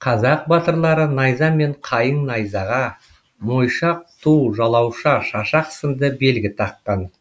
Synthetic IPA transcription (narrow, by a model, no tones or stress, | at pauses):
qʰɑzɑq̚bɑt̪əɾlˠɑɾənɑjzɑme̞ɴqʰɑjəɴnɑjzɑʁɑ | mo̞jʃɑq̚t̪ʰuwʒɑlˠɑwʃɑʃɑʃɑqsəmd̪əbe̞lɡʲɪt̪ʰɑqːɑn